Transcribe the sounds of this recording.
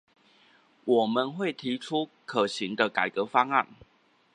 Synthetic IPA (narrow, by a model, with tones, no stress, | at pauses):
wɔ˨˩mə˨nxwe˥˩ɪt̪ʰi˨˥ʈ͡ʂʰu˦kʰə˨˩ɕi˨˦ŋd̪ə˧ka˨˩ɪkɤ˨˦fɑ˥ŋa̰˥˩˨n